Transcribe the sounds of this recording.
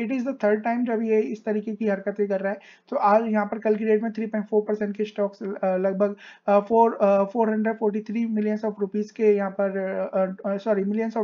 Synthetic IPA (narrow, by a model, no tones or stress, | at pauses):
ɪʈɪzd̪ət̪ʰəɾɖ̚ʈaɪ̃md͡ʒɐbjeɪst̪ɐɾiːkekiɦɐɾkət̪ẽkɐɾːaɦɛː | t̪oːʔaːd͡ʒjɐɦãpɐɾkɐlkiɖeːʈmẽt̪ʰɾiːpɔ̃ːɪ̃ɳʈfoːɾpɐɾsɛ̃ɳʈkeɪsʈɔːkslɐɡ̚bʱəɡfoːɾfoːɾɦɐ̃ɳɖɾəɖfoːɾʈ̬it̪ʰɾiːmɪlijənsɔːfɾupiːzkejɐɦãpɐɾ | sɔːɾimɪlijənsɔː